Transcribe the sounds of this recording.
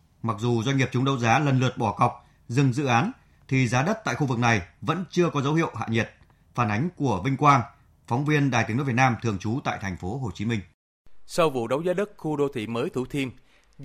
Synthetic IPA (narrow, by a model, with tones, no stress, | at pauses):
ma˨˩k̚zu˨˩zwa˧ɲŋi˨˩p̚t͡ɕʊ˨˦ŋ͡mɗə˨˦wzaː˨˦lə˨˩nlɨ˨˩ət̚ɓɔ˧˩kɔ˨˩wk͡p̚ | zɨ˨˩ŋzɨ̰˧˨ʔaː˨˦n | t̪ʰi˨˩zaː˨˦ɗə˦˥t̚t̪a̰ː˧˨jxu˧vɨ˨˩k̚na˨˩jvə̰˧˥nt͡ɕɨ˧əkɔ˨˦zə˨˦whḭ˧˨əwʔha̰ː˧˨ɲi˨˩t̚ | faː˧˩nʔa˨˦jŋ̟ku˧˩əvï˧ŋ̟kwaː˧n | fɔ˨˦wŋ͡mvi˧ənɗaː˨˩j̪i˨˦ən˦˥vt̚naː˧mt̪ʰɨ˨˩əŋt͡ɕu˨˦t̪a̰ː˧˨jt̪ʰɛ˨˩ŋ̟fo˨˦ɦo˨˩t͡ɕi˨˦mï˧ŋ̟ | sə˧wvṵ˧˨ɗə˨˦wzaː˨˦ɗɨ˦˥k̚xu˧ɗo˧t̪ʰḭ˧˨məː˨˦jt̪ʰu˧˩t̪ʰi˧m